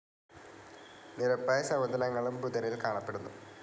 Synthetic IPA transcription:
niɾɐpːɐjsɐmɐd̪ɐnɐŋːɐɭumbud̪ɐɾilkaːɳɐpːe̞ɽunːu

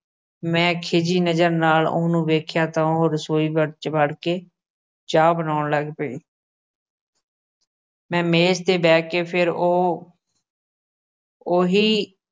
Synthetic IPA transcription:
mɛ̃ːkʰed͡ʒiːnəd͡ʒəɾnaːlʊ̰ːnũːʋeːkʰjaːt̪ãːɦoːɾəsoːiːbəɽt͡ʃbəɽkeː | d͡ʒaːbənaːnləɡpəḭː | mɛ̃ːmeːst̪eːbɛːkeːpʰɪɾoː | oːɦiː

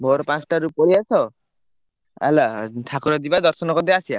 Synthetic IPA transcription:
bʱɔɾɔpãt͡sʈaɾupɔɾiat͡ʃʰɔ | a̰lat̪ʰakɔɾɔd̪ibad̪ɔɾsɔnɔkɔd̪easia

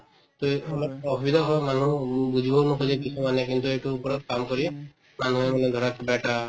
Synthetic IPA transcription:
t̪oemapɔbʱɔbid̪ʱaɦɔjmanũbud͡ʒʱibɔnukʰɔd͡ʒɛkisʰumanɛkint̪ueʈuːpɔɾɔt̪̚kamkɔɾi | manuɦɛmanɛd̪ʱɔɾakbɛʈa

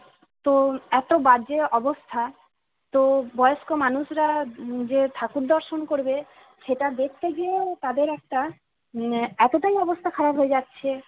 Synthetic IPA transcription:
t̪oɛt̪obad͡ʑeʔɔbost̪ʰa | t̪obɔjoʃkomanuʃɾad͡ʑet̪ʰakuɾd̪ɔɾʃonkoɾbe | ʃeʈad̪ek̚ʰt̪eɡiet̪ad̪eɾɛk̚ʈa | ɛt̪oʈajɔbost̪ʰakʰaɾabʱɦoed͡ʑatːɕʰe

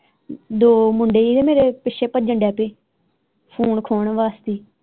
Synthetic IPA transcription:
d̪oːmʊɳɖeːiːd̪eːmeːɾeːpɪʃʰeːpəd͡ʒəɳɖɛːpeː | pʰuːnkʰoːɳʋaːst̪iː

